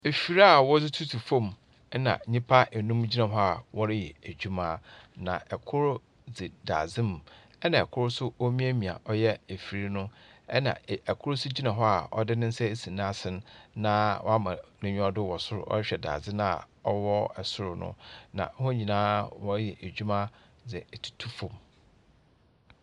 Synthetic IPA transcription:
e˨fi˨ɾa˦a˦˨wɔ˦d͡zɪ˦tʰu˦tʰu˨fõ˦˨m˨˦ | nã̰˨˦ɲĩ˦pʰa˦ʔe˨nũ˦md͡ʑi˦nã˨ɦɔ˦a˨wɔ˦ɾɪ˦jɛ˨æ˨d͡ʑᶣu˦mãː˦nã̰˨ɛ˨kʰʊ˦ɾʊ˦ | d͡zɪ˨da̰ː˨d͡zɪ̃˦m˨ | ɛ˦nã˨ɛ˨kʰʊ˦ɾʊ˦sʊ˦o˦mĩ˦æ˦mĩ˨a̰˨ʔɔ˦jɛ˦e˨fi˨ɾi˦nʊ̃˦ɛ˦nã̰˨ɛ˨kʰʊ˦ɾʊ˦sʊ˦d͡ʑi˦nã˨ɦɔ˦a˨ɔ̰˦dɪ˦nɪ̃˦n̩˦sɛ˦e˦sĩ˨nã˦a˦sɪ̃˦n˦nã˦wɔ̰˦a˦mã˨nʊ̃˨ɲᶣ˦ɔ˦dʊ˦˨wɔ˨sʊ˦ɾʊ̰˨ʔɔ̰˦ɾɪ˦ɕᶣɛ˨da̰ː˨d͡zɪ˦nã˦a̰˨ɔ˦wɔ˦ɛ˨sʊ˦ɾʊ˨nʊ̰̃˦nã̰˨˦hɔ̃˦ɲĩ˨nãː˦wɔ˦ɾɪ˦jɛ˨ʔæ˨d͡ʑᶣu˦mã˦ | d͡zɛ˨tʰu̥˨tʰu˦fɔ̃˨m

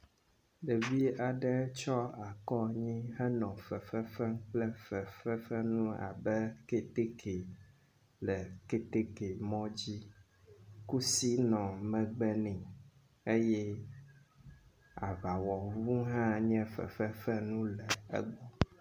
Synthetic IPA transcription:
ɖɛ˨vi˦a˨ɖɛ˦t͡ʃɔ˦a˨kɔ˦ɲĩ˦ɦɛ˦nɔ̃˨fɛ˨fɛ˦fɛ˦ŋ˦k͡plɛ˦fɛ˨fɛ˦fɛ˦nũ˦a̰˨bɛ˦ke˦t̪e˦ke˨ | lɛ˨ke˦t̪e˦ke˨mɔ̃˦d͡ʑi˦ | ku˦si˦nɔ̃˨mɛ̃˨ɡ͡bɛ˦nɛ̃˨ | e˦jɛ˦ | a̰˨βa˨wɔ˨vu˦ɦã˦ɲɛ̃˦fɛ̰˨fɛ˦fɛ˦nũ˦lɛ˨ɛ̰˦ɡ͡bɔ˦

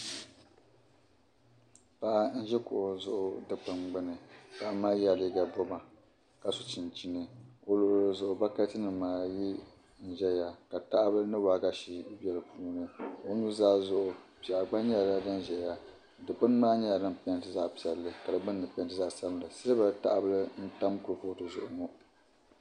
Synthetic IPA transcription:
pa˦ʔa˦n̩˦ʒɛ˦kʊ̰˨ʔʊ˨zʊ˦ʔʊ˦dɨ˨k͡pɨ˨mɡ͡bɨ˦nɨ˨pa˦ʔa˦maː˦jɛ˦li˦ɡa˨bo˦ma˨ | ka˨sʊ˨t͡ʃɪ˨nt͡ʃi˦nɨ˨o˨lo˨ʔlzʊ˨ʔʊ˨ba˦ka˦tɨ˦nɨ˨maː˨ji˦ | n̩˨ʒɛ˦ja˨ka˨ta˦ʔbɨ˦lɨ˦nɨ˦waː˦ɡa˦ʃi˦bɛ˦lɨ˨˦pʰuː˦nɨ˨o˦nu˦zaː˦zʊ˦˨ʔʊ˨pi˨a˨ɡ͡ba˦ɲɛ˦a˨la˦dɨ˦n˨ʒɛ˨ja˨ | dɨ˨k͡pɨ˦n˦maː˦ɲɛ˦ja˨dɨ˦m˨pɛ˦ntɨ˦za˦ʔpi˨ɛ˨lːɨ˦ka˨dɨ˨ɡ͡bɨ˦nː˦ɨ˨pntɨ˦za˦ʔsa˦m˦la˨sɨ˦lɨ˦ba˦˨ta̰˦ʔbɨ˦lɨ˦n̩˦ta˦mkʊ˨˦fo˦tɨ˨zʊ̰˨ʔʊ˨ŋo˦

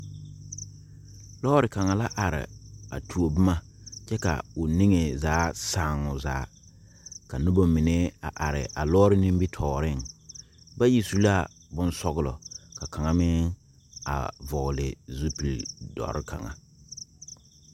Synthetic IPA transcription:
lɔː˦ɾɪ˨ka˨ŋa˨la˦ʔa˨ɾɪ̰˨a̰˨tʰu˨o˨bɪ˦ma˦ | t͡ʃɛ˦ka̰˨ʊ˨nɪ˦ŋe˨zaː˨˦saː˦˨ŋʊ˨za̰ː˨˦ | ka˨nʊ˦ba˦mɪ˨ne˦a̰˨ʔa˨ɾɪ˨ʔa̰˨lɔː˦ɾɪ˦nĩ˦m˦bi˦tʰɔː˨ɾɪ˦ŋ | ba˦ji˦su˦la˦ | bʊ˦nsɔ˦ɣʊ˦lɔ̰˨ka˨ka˨ŋa˦mɪ˦ŋ | a̰˨vɔ˨ɣlɪ̰˨zu˦pi˨ldɔ̰˨ɾɪ˦kʰa̰˨ŋa̰˨

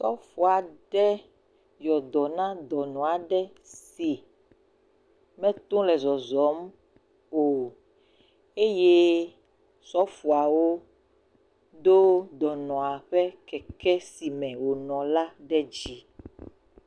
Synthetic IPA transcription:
sɔ̰˦fu˨a˨ɖɛ˦ | jɔ˨d̪ɔ˨nã˦d̪ɔ˨nɔ̃˨a˨ɖɛ˦ | si˨ | mɛ̃˦t̪ũ˦lɛ˨zɔ˨zɔ˨˦m | o˨ | e˦je˦ | sɔ˦fu˨a˨wo˦ | d̪o˦d̪ɔ˨nɔ̃˨a˨ɸɛ˦kɛ˨kɛ˦si˨mɛ̃˨wo˨nɔ̃˨la˦ɖɛ˦d͡ʑi˦

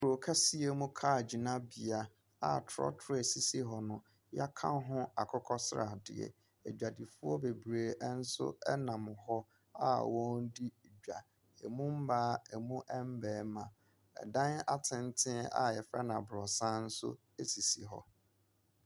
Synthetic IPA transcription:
ku˨ɾo˨kʰa˦si˦e˦mũ˦kʰa˦˨d͡ʑi˨nã˦bi˨a˨ | a̰˨tʰɔ̰˦tʰɾe˨si˨si˦ɦɔ˨nʊ̃˨ | ja˦kʰã̰˦ɦʊ̃˦a˨kʰɔ˦kʰɔ˦sɾa̰˨dɪ̰˨ɛ̰˨ | e˨d͡ʑᶣa˨di˨fʊ˦ɔ˦be˨bɾeː˨˦n̩˦sʊ̰˦ɛ˦nã˨mʊ̃˨ɦɔ˦ | a˦wɔ̃˦ndi˦˨d͡ʑᶣa̰˨ | ḛ˨mũ˦m̩˦baː˦ɛ˨mũ˦ʔɛ˦m̩˦bɛː˨˦mã˨ | ɛ̰˨dã˦na˦tʰɪ̃˨n˦tʰɪ̃˦a̰˨jɛ˨fɾɛ˦nã˨bɾɔ˨sã˦n̩˦sʊ̰˦ | e˨si˨si˨ɦɔ̰˨

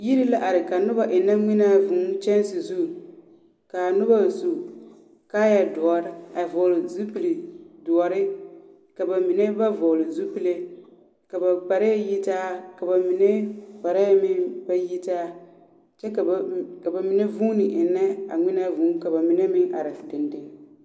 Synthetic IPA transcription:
ji˦ɾi˦la˦ʔa˨ɾɪ˨ka˨nʊ˦ba˨ʔɪ˨nːa˦ŋɪ˦na˦vʊ˨˦t͡ʃɛ˦nsɪ˨zu˦˨ | ka˨nʊ˦ba˦˨zu˨ | kaː˦ja˨dʊ˨ɔ˨ɾɪ˦a˨vɔ˨lɪ˨zu˦pi˨li˨dʊ˨ɔ˨ɾɪ˦ | ka˨ba˨mi˨ne˦ba˦vɔ˨lɪ˨zu˦pi˦le˦ | ka˨ba˨k͡pa˨ɾa˦ja˦ji˦taː˦ka˨ba˨mi˨ne˦k͡pa˨ɾa˦ja˦mɪ˦ŋba˦ji˦taː˦ | t͡ʃɛ˦kka˨ba˨mi˨ne˦vu˦nɪ˨ʔɪ˨nːa˦a̰˨ŋɪ˦na˦vu˨˦ka˨ba˨mi˨ne˦mɪ˦ŋa˨ɾɪ˨dɪ˨ndɪ˦ŋ

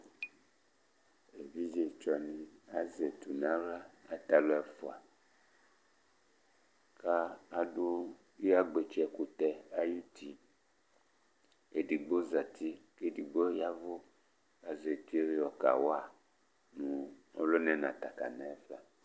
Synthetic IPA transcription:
e˨vi˦d͡ʒe˨t͡ʃɔ˨nĩ˨a˨ze˨t̪u˨nã˨˦ɾa˦a˨t̪a˨lo˦ɛ˨fo˨a˨ | ka˦a˨ɖo˦ | ji˦a˦ɡ͡be˨t͡ʃɛ˨ku˨t̪ɛ˨a˦ju˦t̪ʰi˨ | e˨di˨ɡ͡bo˦za˨t̪i˦ke˦di˨ɡ͡bo˦ja˦vo˦ | a˨ze˨t̪i˦e˦ɾe˦ɔ˨ka̰˨wa˦˨ | nũ˨o˦lo˦nɛ̃˨nã˨t̪a˨ka̰˨nã˦ɛ˦fa˨

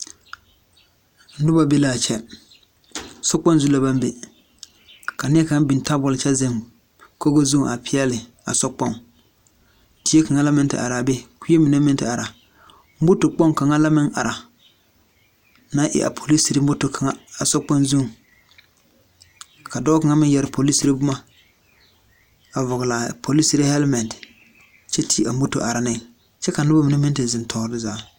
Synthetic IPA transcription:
n̩˦dʊ˦ba˨be˦laː˨t͡ʃɛ˦ | sɔ˦k͡pɔ˦n˦zu˦la˨ba˦mbe˨ | ka˨nɪ˦ɛ˦ka˨˦n˦bi˨n˨ta˦bʊ˨lɪ˨t͡ʃɛ˦zɪ˦m | ko˦ɡo˦zu˦˨ʔa˨pʰɪ˦ɛ˦lɪ˨ | a̰˨sɔ˦k͡pɔ˦ŋ | ti˦e˦ka˨ŋa˦la˦mɪ˦ntɪ̰˨ʔa̰˨ɾa˨be˦kʷi˦e˦mi˨ne˦mɪ˦n˦tɪ̰˨a˨ɾa˨ | m̩˦bʊ˦to˨k͡pɔ˦ŋka˨ŋa˦la˦mɪ˦ŋʔa̰˨ɾa˨ | na˦ʔɪ̰˨ʔa̰˨pʰo˨li˦si˨ɾi˦m˦bʊ˦to˨kʰa˨ŋa˦a˨sɔ˦k͡pa˦nzu˦ŋ | ka˨dɔː˦ka˨ŋa˦mɪ˦jɛ˨ɾɪ˨pʰo˨li˦si˨ɾi˦bʊ˦ma˦ | a˨vʊ˨ɣɪ˨la˨pʰo˨li˦si˨ɾi˦hɛ˦lmɛ˨nt | t͡ʃɛ˦tʰi˦a˨m̩˦o˦to̰˨ʔa˨ɾa˨nɪ˦ | t͡ʃɛ˦ka˨nʊ˦ba˦mi˨na˦mɪ˦ntɪ˨zɪ˨n˨tʰɔː˨ɾɪ˦zaː˨˦

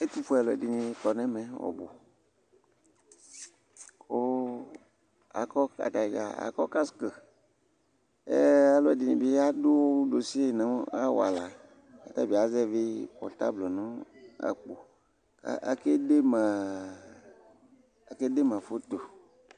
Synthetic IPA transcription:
e˦t̪u˦fo˦ɛ˨lɔ˨di˨nĩ˨kɔ˨nɛ̃˦mẽ˨wɔ̰˨bo˨ | o˦ | a̰˨kɔ˦ka̰˨t̪a˨ɡa̰˨a̰˨kɔ˦ka˦skə˨ | ḛ˦a˨lɔ˦ɛ˨di˨nĩ˨be˦ja˦do˦wo˦ɖo˨si˦e˦˨nã˨˦a˦w̰a̰˨la˨ | a̰˨t̪a˦˨be˨a˨zɛ˦ve˦ɸɔ̰˨t̪a̰˦blɔ˨nã˦a̰˨k͡po˨ | a̰˨a̰˨ke˦de˦mã˨ | a˨ke˦de˦mã˨fo˦t̪o˨

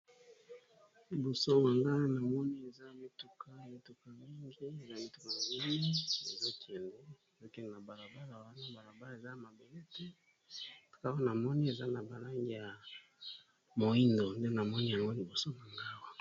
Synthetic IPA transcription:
li˨bo˨so˦ma˨ŋɡa˦na˨mɔ˦ni˦e˨za˦mi˦tu˦kʰa˦mi˨tu˨ka˨mi˦ŋɡi˦e˨za˦mi˦tu˦ka˨mi˦li˦e˨za˦ki˨ɛ˨nde˦˨zo˦ke˦n˨na˨ba˨ɾa˨ba˦la˨wa˦na˦ba˨ɾa˨ba˦le˨za˦a˨ma˨be˨le˦te˦ | tḁ˨ka˦wo˦na˨mɔ˦ni˦e˨za˦na˨ba˨la˦ŋɡi˦ja˨ | mo˨i˦ndo˨nde˦na˨mɔ˦ni˦ja˨ŋɡo˦li˨bo˨so˦ma˨ŋɡa˦wa˦

